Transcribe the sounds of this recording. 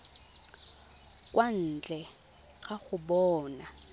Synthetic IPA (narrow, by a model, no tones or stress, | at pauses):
kʼwan̩t͡ɬʼɛ | ɣaɣʊɓɔːna